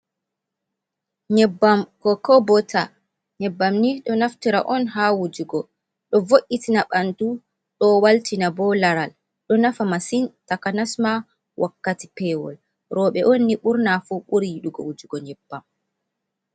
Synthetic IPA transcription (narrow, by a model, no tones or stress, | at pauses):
ɲɛbːamkɔkɔbɔtʰa | ɲɛbːamniɗɔnaftiɾa̰ʔɔnɦawud͡ʒuɡɔ | ɗɔvoʔitinaɓantu | ɗɔwaltinabɔlaɾal | ɗɔnafamasintakanasma | wʔakːati̥pɛːwɔ̰l | ɾɔːɓɛʔonːiɓuɾnafuɓuɾijiɗuɡɔ̰wud͡ʒuɡɔɲɛbːam